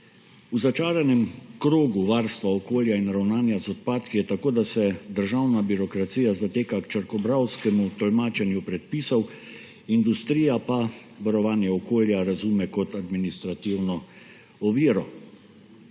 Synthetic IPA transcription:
uzat͡ʃaːɾɛnɛmkɾoːɡuʋaːɾst̪ʋaɔkoːljainɾawnaːnjazɔt̪̚paːt̪kijɛt̪akoːd̪asɛd̪əɾʒawnabiɾɔkɾat̪sijazat̪eːkakt͡ʃəɾkɔbɾawskɛmut̪ɔlmaːt͡ʃɛnjupɾɛt̪̚piːsɔw | ind̪ust̪ɾiːjapa | ʋaɾɔʋaːnjɛɔkoːljaɾazuːmɛkɔt̪ad̪minist̪ɾat̪iwnɔ | ɔʋiːɾɔ

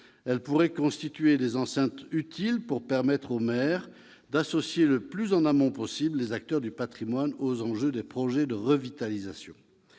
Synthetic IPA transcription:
ɛlpuʁɛkɔ̃st̪it̪ɥed̪ezɑ̃sɛ̃t̪yt̪ʰilpuʁpɛʁmɛt̪χomɛːʁ | d̪asɔsjeləplyzɑ̃namɑ̃pɔsiblːezak̚t̪œʁd̪ypat̪χimwanozɑ̃ʒød̪epχɔʒɛd̪əʁəvit̪alizasjɔ̰̃

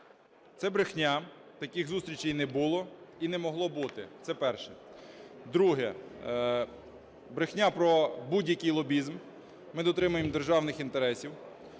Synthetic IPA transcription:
t̪sɛbɾexnʲat̪ɐkʲɪxzust̪ɾʲit͡ʃejnɛbulˠɔinɛmɔɦlˠɔbut̪ɪt̪sɛpɛrʃɛ | d̪ɾuɦɛ | bɾexnʲapɾɔbudʲjɐkijlˠɔbʲizm | mɪd̪ɔt̪ɾɪmʊjemd̪erʒɑwnɪxint̪eɾɛsʲiw

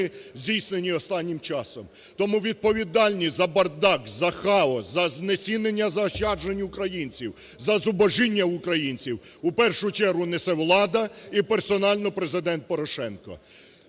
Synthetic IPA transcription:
ɪzʲdʲijsnenʲiɔst̪ɑnʲːimt͡ʃɑsɔm | t̪ɔmuʋʲid̪̚pɔʋʲid̪ɑlʲnʲizɐbɐrd̪ɑkzɐxɑɔszɐznet͡sʲinenʲːɐzɐʃɑd͡ʒenʲʊkɾɐjinʲt͡sʲiw | zɐzʊbɔʒinʲːɐʊkɾɐjinʲt͡sʲiwupɛrʃʊt͡ʃɛɾɦʊnesɛwlˠɑd̪ɐipersɔnɑlʲnɔpɾezɪd̪ɛnt̪̚pɔɾɔʃɛnkɔ̰

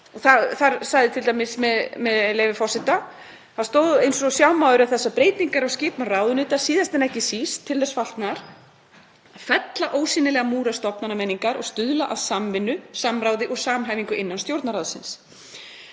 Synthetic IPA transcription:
ɔɣθaθaɾsaɣðɪt̪ʰɪlt̪amɪsmɛðmɛðlejvɪfɔr̥sɪt̪a | θaðst̪oːwðejnsɔsjawmaːwðʏɾʏaθɛsːapɾeːjt̪niŋkaɾawscɪːpnaɾraːwðʏnʏːt̪ḁsiːðast̪ɛnɛhcɪsiːst̪ʰːɪlːɛsfal̥t̪naɾ̥ | aðfɛt̪laʔoːwsiːnɪlɛɣamuːɾast̪ɔpnanamɛniŋkaɾɔ̰ɣst̪ʏðlaʔaðsamvɪnːʏsamɾaːwðɪʔɔɣsaːmɦajviŋkʏʔɪnːanst̪jowɾt̪naɾawðsɪns

